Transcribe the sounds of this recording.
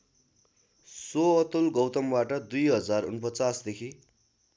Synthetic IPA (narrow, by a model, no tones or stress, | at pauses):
soʌt̪ulɡʌwt̪ʌmbaʈʌd̪ujɦʌd͡zarṵnpʌt͡sasd̪ekʰi